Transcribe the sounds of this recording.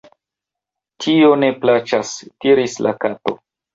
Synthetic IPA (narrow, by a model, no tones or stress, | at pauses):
tʰio̞ne̞plat͡ʃastiɾislʔa̰kato̞̰